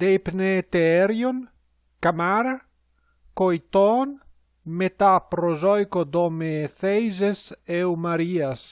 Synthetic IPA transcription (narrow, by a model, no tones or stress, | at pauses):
d̪̥ejpnet̪eeɾjon | kamaɾa | kojt̪ɔn | met̪apɾozɔjkod̪ɔmeθejzesewmaɾias